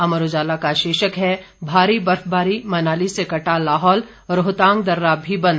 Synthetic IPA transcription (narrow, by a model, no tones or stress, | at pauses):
ɐməɾod͡ʒaːlakaʃeːʃəkɦɛ | bʱaːɾibɐɾfbʱaːɾimɐnaːlisekɐʈalaːɦɔːl | ɾʊɦt̪ãːŋɡ̚d̪ɐɾːaːbʱibɐ̃nd̪